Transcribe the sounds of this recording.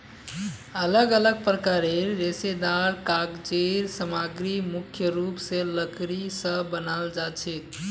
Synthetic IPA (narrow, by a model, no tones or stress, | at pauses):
ələɡələɡ̚pɾəkaɾeɾːesed̪aɾkakd͡ʒeɾsəmaɡɾimukʰjəɾupsẽləkɾisəbənald͡ʒat͡ʃʰɛt̪